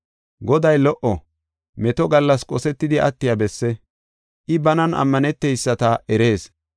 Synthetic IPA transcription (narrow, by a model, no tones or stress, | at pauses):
ɡɔd̪ɐjlɔʔɔ | mɛt̪ɔɡɐlːɐskʼɔsɛt̪ːɪd̪ɪʔɐt̪ːɪjabɛsːɛ | ʔɪbɐnɐnʔɐ̰mːɐnɛt̪ːɛjsːɐt̪ɐɛɾe̞ːs